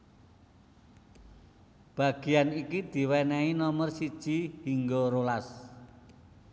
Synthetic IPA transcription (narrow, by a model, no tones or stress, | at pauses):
b̥a̤ɡ̥i̤janikid̪̥i̤wɛnɛinɔmərsid̥ʒ̥i̤hiŋɡoɾolas